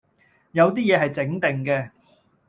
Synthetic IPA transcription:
jɐ˨˧wt̪iː˥jɛː˨˧ɦɐ˨jt͡sɪ˨˥ŋt̪ɪ˨ŋkɛː˧

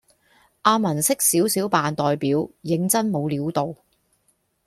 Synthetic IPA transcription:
ʔaː˧mɐ˨˩nsɪ˥k̚siː˨˥wsiː˨˥wpaː˨nt̪ɔː˨jpiː˨˥wjɪ˨˥ŋt͡sɐ˥nmo˨˧wliː˨˧˥wt̪o˨w

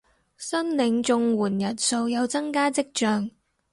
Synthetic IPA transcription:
sɐ˥nlɪ˨˧˥ŋt͡sʊ˧ŋwuː˨˩njɐ˨˩n̚so˧wjɐ˨˧wt͡sɐ˥ŋkaː˥t͡sɪ˥k̚t͡ʃœː˧ŋ

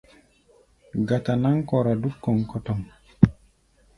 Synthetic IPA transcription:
ɡa˨ta˨na˦ŋko˨ɾa˨du˦kːɔ˨ŋkɔ˦tɔ˨m

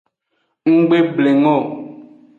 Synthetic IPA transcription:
ŋ̩˦ɡ͡be˦ble˨ŋɔ˦˨

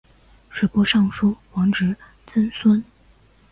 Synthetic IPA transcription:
ʂwe˨˩pwɔ˥ʂɑ˥˩ŋʂu˥xwɑ˧˥ŋʈ͡ʂɻ̩˨˧˥ | t͡sə˥nswə˥n

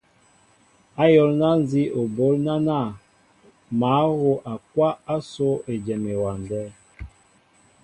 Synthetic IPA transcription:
a˦jɔ˦lna˦n˦zi˦ʔo˨bo˦lna˦na˦˨ | ma˨˦ɣo˦ʔa˨kwa˦a˦so˦e˨d͡ʒɛ˨me˨wa˨ndɛ˦

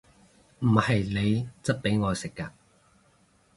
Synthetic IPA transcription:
m̩˨˩hɐ˨jle˨˧jt͡sɐ˥t̚pe˨˥jŋɔː˨˧jsɪ˨kːaː˧

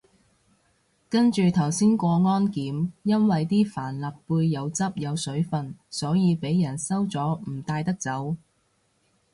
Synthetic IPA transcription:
kɐ˥nt͡ʃyː˨t̪ʰɐ˨˩wsiː˥nkʷɔː˧ŋɔː˥nkiː˨˥mjɐ˥nwɐ˨jt̪iː˥faː˨˩nlɐ˨p̚puː˧jːɐ˨˧wt͡sɐ˥p̚jɐ˨˧wsɵ˨˥ɥfɐ˨nsɔː˨˥jiː˨˧pe˨˥jːɐ˨˩nsɐ˥wt͡sɔː˨˥m̩˨˩t̪aː˧jt̪ɐ˥k̚t͡sɐ˨˥w

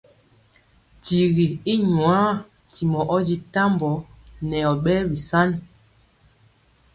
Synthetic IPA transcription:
ti˨ɣi˨i˦ɲwa˨˦˨ | ti˨mɔ˨ʔɔ˦d͡ʒi˦ta˦mbɔ˨˦nɛ˨ɔ˨ɓɛ˦bi˨sa˦n

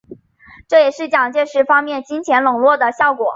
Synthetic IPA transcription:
ʈ͡ʂɤ˥˩jɛ˨˩ʂɻ̩˥˩t͡ɕjɑ˨˩ŋt͡ɕjɛ˥˧ʂɻ̩˧˥fɑ˥ŋmjɛ˥˩nt͡ɕi˥nt͡ɕʰjɛ˧˥nlɤ˨˩ŋlwɔ˥˩d̪ə˩ɕjɑ˥˩ʊkwɔ˨˩˦

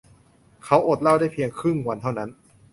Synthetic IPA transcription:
kʰa˦˥wʔo˨˩t̪̚la˥˩wdaː˥˩jpʰi˧əŋkʰɾɯ˥˩ŋwa˧nt̪ʰa˥˩wna˦˥n

